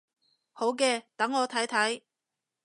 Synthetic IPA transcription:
ho˨˥wkɛː˧t̪ɐ˨˥ŋːɔː˨˧t̪ʰɐ˨˥jt̪ʰɐ˨˥j

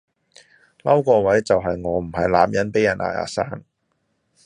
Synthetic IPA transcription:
lɐ˥wkɔː˧wɐ˨˥jt͡sɐ˨wɦɐ˨jŋɔː˨˧m̩˨˩ɦɐ˨jla̰ː˨mjɐ˨˥npe˨˥jɐ˨˩nʔa̰ː˨˩a̰ː˨˩saː˥ŋ

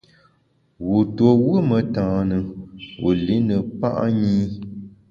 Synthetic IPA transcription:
wu˨to˨wə˦mə˨tãː˨nɨ˨wṵ˨li˨˦nɨ˨pa̰˦ʔɲiː˦

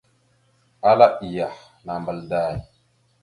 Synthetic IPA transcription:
a˦la˦i˨ja˨ | na˨mbə˨lda˦˨ji˨

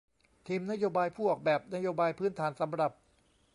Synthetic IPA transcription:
t̪ʰiː˧mna˥joː˧baː˧jpʰuː˥˩ʔɔː˨˩k̚bɛː˨˩p̚na˦˥joː˧baː˧jpʰɯː˦˥˩nt̪ʰaː˩˦nsa˩˦mɾa˨˩p̚

